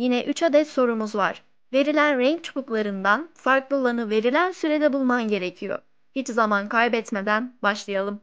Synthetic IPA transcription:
jinɛʔyt͡ʃʰad̪ɛt̪so̞ɾumuzvaɾ̥ | ve̞ɾilʲænɾɛɲt͡ʃʰbuklˠaɾɯnd̪anfaɾklˠɯlˠanɯve̞ɾilʲænsyɾe̞d̪ɛbulˠmamɟe̞ɾe̞cʰijo̰ | hit͡ʃzamankʰajbɛt̪me̞d̪ænbaʃlˠɯjalˠɯm

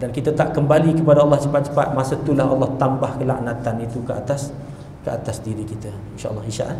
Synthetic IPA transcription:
dankit̪at̪aʔkəmbalikəpadaɑlːɑht͡ʃəpat̪̚t͡ʃə̥pat̪̚masət̪ulahɑ̰lːɑht̪ambahkəla̰ʔnãt̪anit̪ukəʔa̰t̪as | kəʔat̪asdiɾikit̪ə | inʃa̰ʔə̰lːɑhiʃa̰ʔan

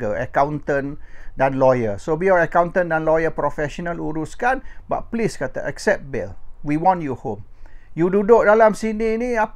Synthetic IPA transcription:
əə̰kãw̃nt̪ə̃ndãnlɔjəsobiɔəkãwnt̪ə̃ndãnlɔjəpɾɔfɛʃɔnəluɾuskanba̰t̚pliskat̪a̰ʔɛksɛp̚bɛ̰lwiwɔ̃njuhõmjududoʔ̚dalamsininiap

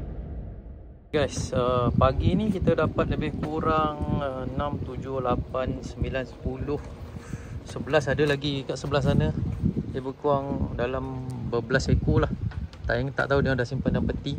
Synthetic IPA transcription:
ɡajsəpaɡinikit̪adapat̪̚ləbɪhkuɾaŋənãmt̪ud͡ʒʊhlapansəmbilansə̥pulʊh | səbəlasadəlaɡikaʔsəbəlas̬anajəbəkuaŋdalambəbəlasekolaht̪aŋt̪a̰ʔt̪aɦudəŋadasimpəndampət̪i

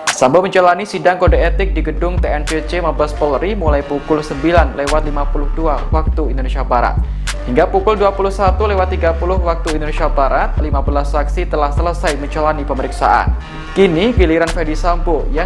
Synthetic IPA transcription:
samboməɲt͡ʃəlanisidaŋkodaet̪ɪk̚diɡədʊŋt̪eɛnt͡ʃet͡ʃemabaspɔlɾimulajpukʊlsəmbilanlewat̪̚limapulʊhduawak̚t̪uindonesiabaɾa̰t̪̚ | hiŋɡapukʊlduapulʊhsat̪ulewat̪ːiɡapulʊhwak̚t̪uindonesiabaɾat̪̚limabəlasaksit̪əlahsələsajməɲt͡ʃəlanipəməɾiksa̰ʔa̰n | kiniɡiliɾanfɛdisamboja

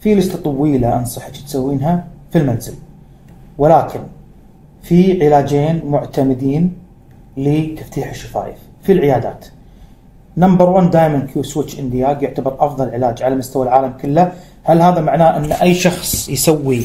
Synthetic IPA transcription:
filɪd͡ʒt̪at̪ˤɑwiːlaʔɑnsˤɑħɑt̪t̪sawːiːnɦafilmanzɪl | wɪlaːkʰɪn | fiʕɪlaːd͡ʒeːnmʊʕt̪amɪd̪iːn | lit̪aft̪iːħɪʃːḁfa̰ːjɪ̰f | filʕɪjaːd̪a̰ːt̪ | nambɑɾˤwand̪aːjmankʰjuːswɪt͡ʃːʔɪnd̪ɪjaːɡjʊʕt̪abɨɾʔɑfðˤɑlʕɪlaːd͡ʒʕalamʊst̪awalʕaːlamkʊlːa | halɦaːðamaʕnaːʔɪnːʔajːʃɑxsˤjsawːi

